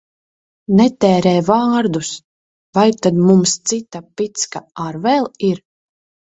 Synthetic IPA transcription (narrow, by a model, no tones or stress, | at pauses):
nɛt̪ɛːɾɛːvaːɾd̪us | vajt̪ad̪mumst̪sit̪apit̪skaaɾvɛlˠiɾ